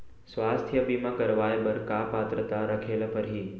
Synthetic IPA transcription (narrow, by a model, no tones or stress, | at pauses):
sʋaːst̪ʰjəbiːmãkɐɾʋaːeɓɐɾkaːpaːt̪ɾət̪aɾɐkʰeːlpɐɾɦiː